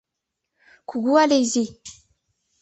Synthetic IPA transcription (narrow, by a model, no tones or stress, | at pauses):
kʰuɡualezi